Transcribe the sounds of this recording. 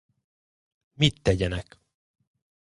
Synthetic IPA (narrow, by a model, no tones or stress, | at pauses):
mit̪ːɛɟɛnɛk